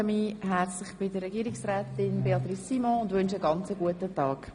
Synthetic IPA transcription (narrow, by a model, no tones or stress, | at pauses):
əmiːɦæɾt͡slɪχb̥ɪdəɾɛɡiːɾɪksrɛːtɪnbeɑt̪risːimɔ̃ʊndʋʏnʃəɡɑnt͡səɡuətətɑːk